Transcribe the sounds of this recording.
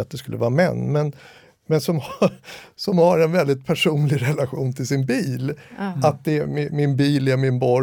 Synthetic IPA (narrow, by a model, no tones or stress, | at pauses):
at̪̚d̪ɛskɵlːə̰vɑːmɛ̰nːmɛn | mɛnsɔmh | sɔmhaɾɛnvɛld̪ɪt̪̚pʰæʂuːnlɪɡɾɛlaɧuːnt̪ʰɪlsɪnbiːlat̪̚d̪ɛmɪmɪnbiːlæɾmɪnbɔ